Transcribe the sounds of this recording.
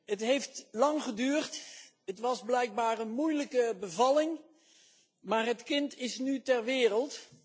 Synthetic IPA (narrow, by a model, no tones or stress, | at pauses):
ɦətɦejftlɑŋχədyːrt | ətʋɑzblɛjk̚baːɹənmujləkəbəvɑlɪŋ | maːɹɦətkɪntɪsnytɛɹʋɪːrəlˠt